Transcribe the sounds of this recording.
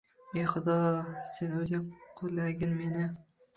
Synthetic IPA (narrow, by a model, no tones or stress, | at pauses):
ejχʊd̪ɒsenozaqʰʊllaɡʲɪnmenɪ